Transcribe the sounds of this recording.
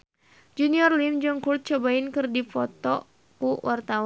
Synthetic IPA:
d͡ʒuniɔrlimd͡ʒɔŋkurt̪̚t͡ʃɔbaɪnkɨrdifɔt̪ɔ | kuwʔart̪awa

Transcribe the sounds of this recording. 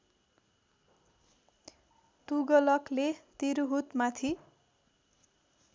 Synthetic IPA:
t̪uɡʌlʌklet̪iɾuɦut̪mat̪ʰi

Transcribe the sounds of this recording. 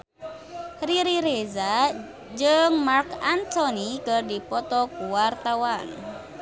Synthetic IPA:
riɾiɾeza | d͡ʒɨŋmarkant̪ɔnikərdipɔt̪ɔkuwart̪awan

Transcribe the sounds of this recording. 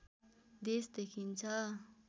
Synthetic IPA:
d̪esd̪ekʰint͡sʰʌ

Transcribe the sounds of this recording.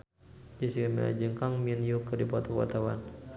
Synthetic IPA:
d͡ʒisiɡamḭla̰d͡ʒəŋkaŋmiənjukədipɔt̪ɔwa̰t̪awa̰n

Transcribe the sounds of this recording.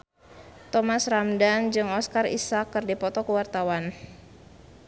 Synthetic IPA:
t̪ɔmasramdand͡ʒɨŋɔskarḭsakːɨrdipɔt̪ɔkəwart̪awan

